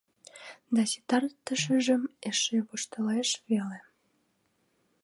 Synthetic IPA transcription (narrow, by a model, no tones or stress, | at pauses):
d̪ɑsi̥t̪ɑrt̪ːəʃəʒə̆meʃeβoʃt̪əleʃvele